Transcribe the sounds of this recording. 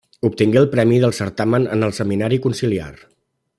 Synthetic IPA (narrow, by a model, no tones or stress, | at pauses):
up̚t̪iŋɡeəlˠpɾɛmiðəlˠsəɾt̪amənə̰nəlˠsəminaɾikunsilia̰r